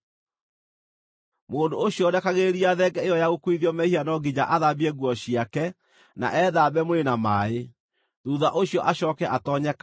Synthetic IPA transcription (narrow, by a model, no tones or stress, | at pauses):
moːndooɕjɔdɛkaɣeɾiaðɛɡɛejɔjaɣokwiðjɔmɛhianɔɡid͡ʑaʔaðabiɛɣwɔɕiakɛ | na̰ʔɛðabɛmoɾenamae | ðuðaʔoɕiɔʔaɕɔːkɛʔatɔɲɛka